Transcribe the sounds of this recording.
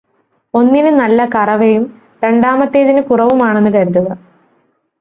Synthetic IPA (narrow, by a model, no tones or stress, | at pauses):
o̞nːinɨnɐlːɐkɐrɐʋejum | ɾe̞ɳɖaːmɐt̪ːe̞ːðinɨkurɐʋumaːɳe̞nːɨkɐɾunːuɣɐ